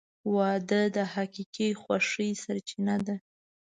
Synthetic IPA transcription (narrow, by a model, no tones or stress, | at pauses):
wɑd̪əd̪əhaqiqixwaʂəjsaɾt͡ʃinad̪a